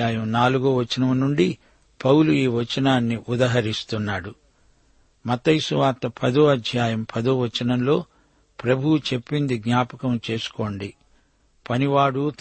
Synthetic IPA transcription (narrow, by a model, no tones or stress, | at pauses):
aːjɐmnaːluɡoːʋɐt͡ʃːɐnɐmnuɳɖi | pɐwluiːʋɐt͡ʃɐnaːnːiʔud̪aːɦɐɾist̪unːaːɽu | mɐt̪ɐjsuʋaːt̪ɐpʰɐd̪oːɐd̪ʱjaːjɐmpʰɐd̪oːʋɐt͡ʃːɐnɐmlo̞ː | pɾɐbʱuwut͡ʃe̞pːind̪iɡɲaːpɐkɐmt͡ʃe̞ːsu̥ko̞ːɳɖi | pɐniʋaːɽut̪